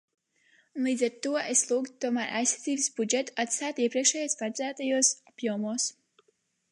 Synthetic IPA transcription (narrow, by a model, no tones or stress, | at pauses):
unlˠiːd̪zɛɾt̪uɔeslˠuːɡt̪uɔmæːɾʔa̰jsḁt̪ziːbsbud͡ʒɛt̪u̥at̪st̪æːt̪iɛpɾiɛkʃɛːjoɔspaɾzæːt̪ajuɔsapjuɔmuɔs